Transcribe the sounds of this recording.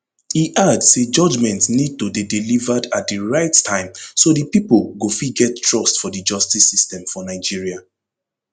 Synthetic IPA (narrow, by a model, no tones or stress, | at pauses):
hiʔadsed͡ʒɔd͡ʒmɛ̃ntnid̚todidilivadat̚diɹaɪttʰãɪ̃msodipipolɡofiɡɛttɹɔstfɔdəd͡ʒɔstisistɛ̃mfɔnaɪd͡ʒiɹia